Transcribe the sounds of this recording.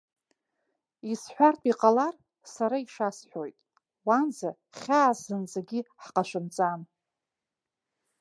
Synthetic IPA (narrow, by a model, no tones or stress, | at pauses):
isħʷartʼiqʼalar | saɾaiʂasħʷojtʼ | wanza | χʲaːzɨnd͡zaɡʲiħqʼaʃʷɨmt͡sʼan